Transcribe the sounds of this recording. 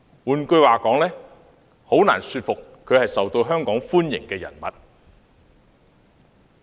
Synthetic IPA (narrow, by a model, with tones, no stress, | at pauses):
wuː˨nkɵ˧ɥwaː˨kɔː˨˥ŋlɛː˥ | ho˨˥wnaː˨˩nsyː˧t̚fʊ˨kʰːɵ˨˧ɥhɐ˨jsɐ˨wt̪o˧wɦœː˥ŋkɔː˨˥ŋfuː˥njɪ̰˨˩ŋkɛː˧jɐ̰˨˩nmɐ˨˩t̚